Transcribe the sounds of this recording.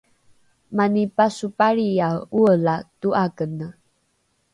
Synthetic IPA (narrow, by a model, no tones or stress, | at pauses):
manipasupaɭiauəlatuʔakənə